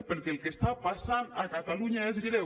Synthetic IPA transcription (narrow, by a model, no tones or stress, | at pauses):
peɾkelkest̪apasanakat̪aluɲaezɣɾe